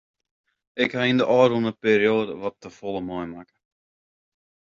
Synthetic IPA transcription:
ɪkhaindəʔɑːɾunəpeːɾioːdəʋɔtːəfɔlˠəmɔjmakə

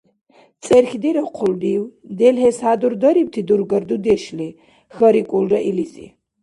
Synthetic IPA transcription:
t͡sʼɛrxd̪iɾɐqʰʊld̪iwd̪ɛlhɛshad̪uɾd̪ɐɾip̚t̪ʰid̪uɾɡɐɾd̪ud̪ɛʃli | xɐɾikʷʼulrɐʔilizḭ

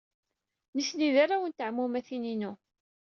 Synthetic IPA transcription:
nisniðaɾawənt̪əʕmumæθininu

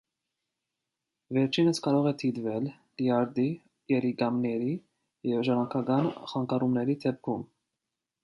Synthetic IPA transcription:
vɛɾt͡ʃʰinəskɑɾɔʁɛt̪ʰid̪vɛl | liɑɾd̪i | jɛɾiɡɑmnɛɾi | jɛvʒɑɾɑŋkʰɑɡɑnχɑŋkɑɾumnɛɾid̪ʰɛp̚kʰum

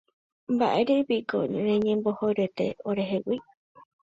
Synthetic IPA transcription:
mba̰ʔeɾepiko̰ɾẽɲẽmbohojɾet̪e̞̰oɾe̞ɦewi

